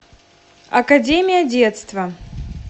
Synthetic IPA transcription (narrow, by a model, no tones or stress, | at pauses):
ɐkɐdʲemʲɪjɐdʲet̪st̪vɐ